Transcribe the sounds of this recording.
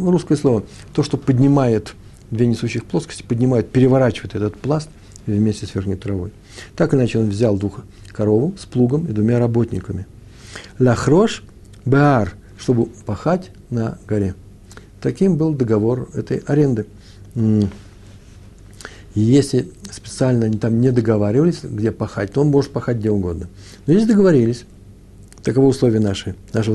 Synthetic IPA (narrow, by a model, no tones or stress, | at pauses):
ruskəjəslˠo̞və | t̪o̞ʂt̪o̞pədʲnʲɪmajɪt̪ | d̪vʲenʲɪsuɕːɪxplˠo̞skəsʲtʲɪ̥pədʲnʲɪmajʊt̪̚pʲɪɾʲɪvɐɾat͡ɕɪvəjɪt̪ɛt̪ət̪plˠast̪ | vmʲesʲtʲɪsvʲexnʲɪjt̪ɾɐvo̞̰j | t̪akɨnat͡ɕɪo̞nvzʲalˠd̪vux | kɐɾo̞vʊsplˠuɡəmɪd̪vʊmʲaɾɐbo̞t̪ʲnʲɪ̰kəmʲɪ | lʲɐxɾo̞ʂ | bɨar | ʂt̪o̞bɨpɐxatʲ | nəɡɐɾʲe̞ | t̪ɐkʲimbɨlˠd̪əɡɐvo̞rɛ̰t̪əjɐɾʲe̞nd̪ɨ | jesʲlʲɪspʲɪ̥t̪sɨalʲnəɐnʲit̪amnʲɪd̪əɡɐvaɾʲɪvəlʲɪsʲɡdʲe̞pɐxa̰t̚ʲt̪oo̞nmo̞ʐɨt̪̚pɐxat̚ʲɡdʲeʊɡo̞d̪nə | nozʲesʲd̪əɡəvɐɾʲilʲɪsʲ | t̪əkɐvoʊslˠovʲɪjənaʂɨnaʂɨvə